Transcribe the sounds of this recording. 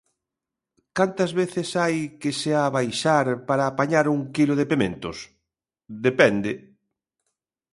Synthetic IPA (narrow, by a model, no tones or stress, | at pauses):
kant̪ɐzβeθɪsajkɪseaβajʃaɾpaɾaːpaɲaɾuŋkiloðepemẽnt̪ʊs | d̪epɛnd̪ɪ